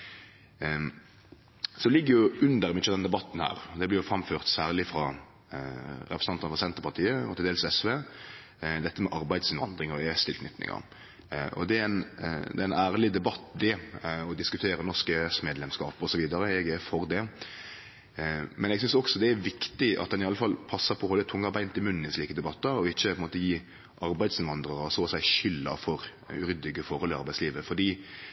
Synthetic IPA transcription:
sɔlɪɡːəɾjʊʔʉnd̪əɾɛmɪʃəd̪ɛnd̪ɛbɑt̪ːn̩hæ̰ːɾɔd̪ɛblɪɾjʊfɾɑmføːʁt̪sæːʁlɪfɾɑ | ɾɛ̰pɾəsnɑnɑnəfʁɑsɛnt̪əɾpɑʁt̪ʰiːəɔ̰t̪ʰɪld̪eːləsɛsʋeː | d̪ɛt̪ːəmɛʔɑɾbæɪd̪sɪnʋɑ̰nd̪ʁɪŋɔʋɛst̪ɪlknʏt̪ːnɪ̰ŋɑ̰ | ʔɔ̰d̪ɛæɪnd̪ɛɪnæːɾəlɪd̪ɛbɑt̪ːd̪ɛɔd̪ɪskʉt̪ʰeːɾənɔʁʂkəɛsmeːd̪lɛmskɑːpɔsɔʋiːd̪ɑɾəɛɡɛfɔɾd̪ɛ | mʔɛnɛɡsʏnsɔksɔd̪ɛæɾʋɪkt̪ɪʔɑ̰t̪̚d̪ɛnɪɑlːəfɑlpʰɑsːɑpʰɔholət̪ʰʊŋːɑbæɪnt̪ɪmʉnn̩ɪsliːkəd̪ɛbɑt̪ːɑɾɔɪçːəpʰɔɛnmoːt̪əjiː | ʔɑɾbæɪd̪sɪnʋɑnd̪ɾəɾɔsoːsæɪʃʏlːɑ̰fɔɾ | ʉɾʏd̪ɪɡəfɔɾɔlɪɑ̰ɾbæɪsliːʋəfɔɖ̪iː

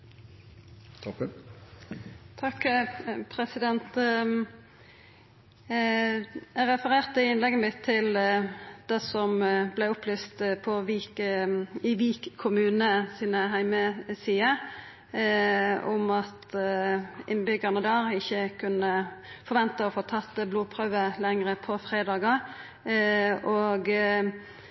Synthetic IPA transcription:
t̪ʰ | t̪ʰɑkpʰʁɛsɪd̪ɛnt̪ | ʔæʁɛfəʁeːʁt̪əɪnlɛɡəmɪt̪ʰːɪl | d̪̥ɛsɔmblɛʊplyːst̪pʰɔʋiːk | ɪʋiːkkʰːʊmʉːnəsiːnəɦæɪməsiːə | ʊmɑt̪ | ʔɪnbʏɡɑnəd̪ɑːʁɪçːəkʰʉnəfɔʁʋɛnt̪əɔfoːt̪ʰɑt̪ːəbluːpʰʁœʋəlɛŋʁəpʰɔfʁeːd̪ɑːɡə | oːɡ

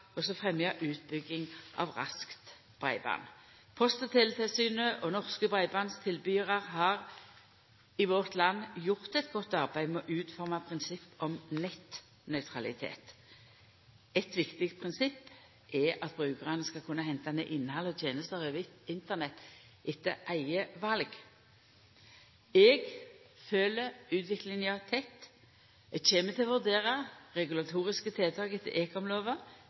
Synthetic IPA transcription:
ɔsɔfʁɛmjəʔʉːt̪̚bʏɡːɪŋʔɑ̰ʋʁɑ̰skt̪ | b̥ʁæ̰ɪbɑ̰ːn | pʰɔst̪t̪ʰɪlt̪ʰɪlsyːnəʔɔnɔʁskəbʁæɪbɑnst̪ʰɪlbyːʁɑʁhɑʁ | ɪʋɔʁt̪lɑnːjʊʁt̪ɛt̪ɡɔt̪ːɑʁbæɪmɛɔʔʉːt̪fɔʁmɑpʰʁɪnsɪpːɔmnɛt̪ | nœʏt̪ʰʁɑlɪt̪ʰḛːt̪ | ɛt̪ʋɪkt̪ɪkt̪pʰʁɪnsɪpː | ʔɛʔɑt̪̚bʁʉːkəʁɑnəskɑlkʰʉnːəhɛnt̪ɑnɛʔɪnːhɑlːəɔt̪ʰjeːnəst̪əʁeʋɪt̪ɪnt̪əʁnɛt̪ːʔɪt̪ːəʔæɪəʋɑlɡ | ɛɡføːləʉːt̪ʰʋɪklɪŋɑt̪ʰɛt̪ː | ɛçeːmət̪ʰɪlʋʉʁd̪eːʁɑʁɛɡʉlɑt̪ʰuːʁɪskət̪ʰɪlt̪ʰɑːkɪt̪ʰɪ̰ʔeːkɔmloːʋə

